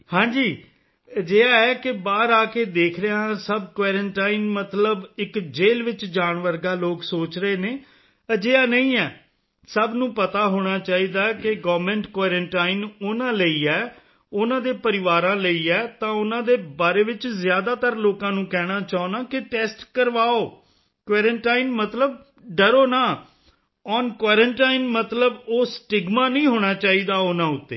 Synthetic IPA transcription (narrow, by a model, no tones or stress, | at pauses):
hãːd͡ʒiː | əd͡ʒeːaːɛːkɪbaːɾaːkeːd̪eːkʰɾəasəbkʋaːɾə̃ɳʈaːinmət̪ləbɪkd͡ʒeːlʋɪt͡ʃd͡ʒaːɳʋəɾɡaːloːksoːt͡ʃɾəeːneː | əd͡ʒeːaːnəĩːɛː | səbnũːpət̪aːɦoːɽ̃aːt͡ʃaːiːd̪aːkɪɡɔːʋmẽːɳʈkʋaːɾə̃ɳʈaːinʊnãːləiːɛː | ʊnãːd̪eːpəɾɪʋaːɾãːləiːɛːt̪ãːʊnãːd̪eːbaːɾeːʋɪt͡ʃzɪjaːd̪aːt̪əɾloːkãːnũːkɛːɽ̃aːt͡ʃaːonaːkɪʈɛːsʈkəɾʋaːoː | kʋaːɾəɳʈaːinmət̪ləb̚ | ɖəɾoːnaː | ɔːnkʋaːɾə̃ɳʈaːinmət̪ləboːsʈɪɡmaːnəĩːɦoːɽ̃aːt͡ʃaːiːd̪aːʊnãːʊt̪ːḛː